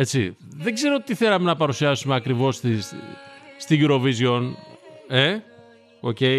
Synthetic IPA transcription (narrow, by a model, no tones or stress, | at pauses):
et͡siðeɡze̞ɾo̞t̪iθelɐmenɐpɐɾusiɐsumeɐkɾivo̞st̪is | st̪iʝuɾo̞vizjo̞n | e̞ | o̞̰ce̞